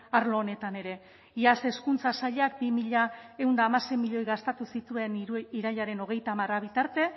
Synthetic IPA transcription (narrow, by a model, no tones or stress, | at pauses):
aɾlo̞ːne̞t̪ane̞ɾe̞ | iase̞skunt͡sasaʎeakbimiʎae̞uwnd̪aːmase̞jmiʎo̞jɣast̪at̪usit̪ue̞niɾaʎaɾe̞no̞ɣ̞e̞jt̪aːmaraβ̞it̪aɾt̪e̞